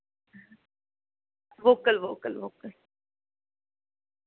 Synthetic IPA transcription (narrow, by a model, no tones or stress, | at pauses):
ʋoːkəlʋoːkəlʋoːkəl